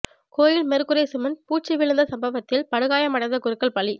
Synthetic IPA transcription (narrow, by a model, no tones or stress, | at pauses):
koːjɪlmɛɾɯkːɯɾeːsɯmɐnpuːt͡ʃːɪʋɪɭɐnd̪ɐsɐmbɐʋɐt̪ːɪlpɐɽɯɣaːjɐmɐɽɐnd̪ɐkʊɾɯkːɐɭpɐɭi